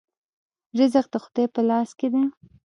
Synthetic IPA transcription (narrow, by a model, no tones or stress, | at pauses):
ʒɪzaqd̪əxʊd̪ɑjpəlɑsked̪a